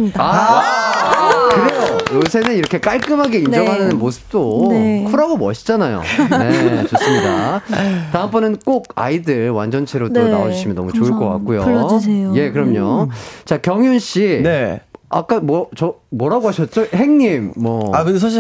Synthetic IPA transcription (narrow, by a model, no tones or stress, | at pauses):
a | kɯɾe̞jojosʰe̞nɯniɾʌkʰe̞k͈aɭk͈ɯmɦaɡe̞ind͡ʑʌŋɦanɯnɯnmosʰɯ̥p̚t͈okʰuɾaɡomʌɕʰi̥d͡ʑ͈anajo̰ne̞t͡ɕos͈ɯmɲida̰taɯmpʰʌnɯnk͈oɡ̚a̰idɯɭwa̰nd͡ʑʌnt͡ɕʰeɾotɯnaod͡ʑuɕʰimjʌnʌmut͡ɕoɯɭk͈ʌk͈a̰k͈̚ujoje̞kɯɾʌmɲot͡ɕakjʌŋjunɕ͈inea̰k͈amt͡ɕʌmwʌɾaɡoɦaɕʰʌt̚t͡ɕ͈ohe̞ŋɲimːʌakɯɡs̬ʰaɕ̬i